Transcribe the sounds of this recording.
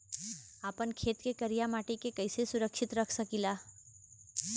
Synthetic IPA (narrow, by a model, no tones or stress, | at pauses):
aːpənkʰeːt̪kekɐɾijamaːʈikekəɪsesʊɾəkʃɪt̪ɾəkʰsəkilaː